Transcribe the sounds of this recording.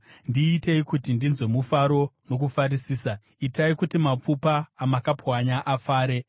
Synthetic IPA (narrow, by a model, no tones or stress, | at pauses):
ndiːte̞ikutindinzwe̞mufaɾo̞no̞k̬ufarisiːsa | itaikutimap͡fupaːmakapʰwaɲaʔafaːɾe̞